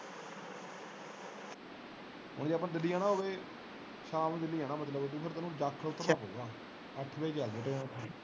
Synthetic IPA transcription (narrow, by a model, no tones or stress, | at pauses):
ɦʊ̰ɳd͡ʒeːapãːd̪ɪliːaːnaːɦoːʋeː | ʃaːmːd̪ɪliːãːnãːmət̪ləbt̪̬uːpʰəɾt̪ːnũːd͡ʒaːkʰːʊt̪ːəɾpaːpɦo̰ːɡaː | əʈʰbeiːd͡ʒaːld̪eːʈəːnãːt̪ʰaːi